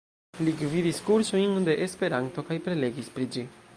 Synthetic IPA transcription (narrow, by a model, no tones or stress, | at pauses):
liɡvidiskuɾsojnde̞ʔespe̞ɾanto̞kajpɾe̞le̞ɡispɾid͡ʒi